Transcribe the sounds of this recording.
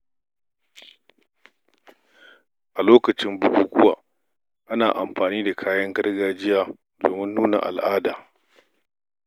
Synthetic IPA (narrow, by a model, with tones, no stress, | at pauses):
ʔa˨loː˦kɐ˨t͡ʃɪ˦mbʊ˨ɡuː˨ɡʷʊ˦wa̰ː˨ | ʔa˦naː˨ʔa˨mɸaː˨niː˦da˨kʰaː˦jɐ˦ŋɡɐ˦ɽɡaː˦d͡ʒɪ˦jaː˦ | do̰ː˨mɪ˦nːuː˦na̰˨ʔa̰˨lʔaː˦daː˨